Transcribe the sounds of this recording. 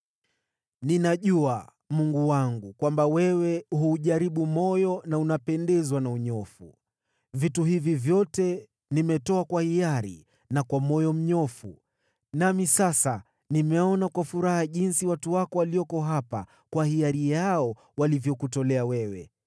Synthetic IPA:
ninaʄua | muŋɡuwaŋɡukwambawɛwɛhuːʄaɾiɓumɔjɔnaunapɛndɛzwanauɲɔfṵ | vituhivivjɔtɛ | nimɛtɔakwahijaɾḭ | nakwamɔjɔm̩ɲɔfu | namisasa | nimɛɔnakwafuɾahaʄinsiwatuwakɔwaliɔkɔɦapa̰ | kwahiaɾijaɔ | walivjɔkutɔlɛawɛwɛ̰

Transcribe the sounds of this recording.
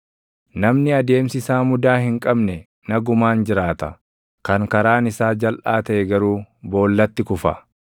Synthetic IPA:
nɐmnɪɐd̪e̞ːmsɪsaːmʊd̪aːhɪŋkʼɐbnɛ | nɐɡʊmaːnd͡ʒɪɾaːt̪ɐ | kɐŋkɐɾaːnɪsaːd͡ʒɐlʔaːt̪ɐʔɛɡɐɾuːbo̞ːlːɐt̪ːɪkʊfɐ̰

